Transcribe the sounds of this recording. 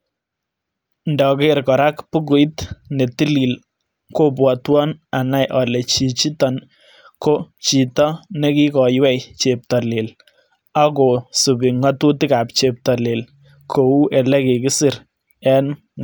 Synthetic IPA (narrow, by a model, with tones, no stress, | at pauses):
ndɔ˨ke˦ɾkɔ˨ɾa˦kpʊ˦k̬ʊ˨jt̪ne˨ti˦li˨l | ko˦p̬wɔ˨twɔ˦na˨na˦jʔɔ˨lɛ˨t͡ʃi˨t͡ʃi˦tɔn | ko˦t͡ʃi˨tɔ˦nɛ˦ki˦kɔ˨jwɛ˦jt͡ʃep̚talɪ˨l | a˦ko˨su˨bi˨ŋa˦tu˦tɪ˦ka˨p̚t͡ʃe˨p̚ta˨le˨l | kʰou˦ʔɛ˨lɛ˦ke˨kɪ˦sɪ˨ɾ | ɛ˦n